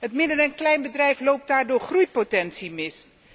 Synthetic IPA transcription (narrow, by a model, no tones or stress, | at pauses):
ɦətmɪdərɛnklɛjnbədrɛjflowp̚daːɹdʊːɹχrujpotɛnsimɪs